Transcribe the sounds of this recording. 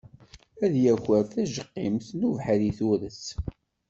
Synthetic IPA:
æðjæçəɾθæʒəqːimθnuvħəliθuɾəs

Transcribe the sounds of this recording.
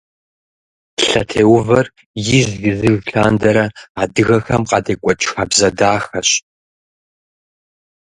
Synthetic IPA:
ɬɐ̰tʰeːwʊvɐr | jɪʑɡɪzɨɣɬaːndɐɾɐaːdɨɣɐxɐmqʼɑdeːkʷʼɔt͡ʃʼxaːbzɐdaːxɐɕ

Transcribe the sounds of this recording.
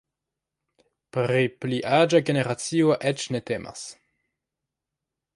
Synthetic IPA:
pɾipliʔad͡ʒaɡe̞neɾat͡sio̞ʔet͡ʃne̞temʔa̰s

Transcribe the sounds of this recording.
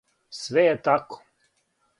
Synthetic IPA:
sʋɛjɛt̪ako̥

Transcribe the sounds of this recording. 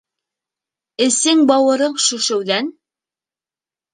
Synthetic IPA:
ɘ̆sɘŋbɑwɤ̆ɾɤɴʃʉʃɘ̆wðæn

